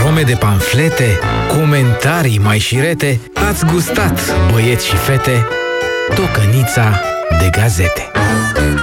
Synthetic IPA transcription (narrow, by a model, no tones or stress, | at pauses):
ɾome̞d̪e̞paɱfle̞t̪e̞ko̞ment̪aɾijmajʃiɾe̞t̪e̞ | at̪sʲɡust̪at̪bəje̞t̪sʲʃife̞t̪e̞ | t̪o̞kənit̪sa | d̪e̞ɡaze̞t̪e̥